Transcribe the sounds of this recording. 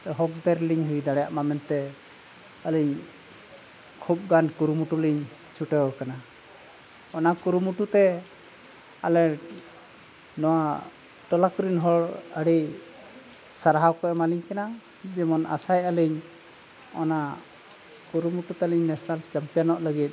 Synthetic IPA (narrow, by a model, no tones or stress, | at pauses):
ɛɦɔk̚d̪ɛɾliɲɦujd̪aɽɛjaʔmamɛnt̪ɛ | əliɲ | kʰup̚ɡankuɾumuʈuliɲ | t͡ʃuʈɛwɔkana | ɔnakuɾumuʈut̪ɛ | alɛ | nɔwa | ʈɔlakuɾinɦɔɽəɽi | saɾaɦawkɔɛmaliɲkana | d͡ʒɛmɔna̰sajəliɲ | ɔna | kuɾumuʈut̪ɛliɲnɛsnalt͡ʃampijanɔʔləɡit̪̚